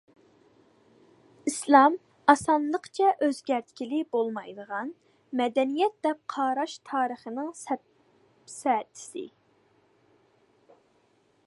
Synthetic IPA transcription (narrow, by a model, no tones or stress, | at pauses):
islˠɑm | ɑsɑnlˠəqt͡ʃʰɛʔøzɡʲæɾt̪kʲilɪbolˠmɑjd̪əʁɑn | mɛd̪ɛnijɛt̪̚d̪ɛp̚qʰɑːɾɑʃt̪ʰɑːɾəχənɨŋsɛ | sɛt̪ʰɪ̥sɪ̰